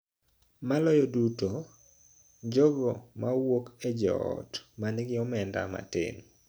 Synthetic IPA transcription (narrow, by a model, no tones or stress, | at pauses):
malɔjɔduto | d͡ʒɔɡɔmawoked͡ʒɔ̰ɔ̰tmanɪɡɪɔmɛnda̰ma̰tɪ̰n